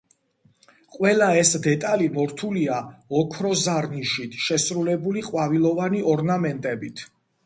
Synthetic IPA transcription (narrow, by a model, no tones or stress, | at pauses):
qʼwɛlaɛsd̪ɛt̪ʼalimɔɾt̪ʰuliaɔkʰɾɔzaɾniʃit̪ʰʃɛsɾulɛbuliqʼwavilˠɔvaniɔɾnamɛnt̪ʼɛbit̪ʰ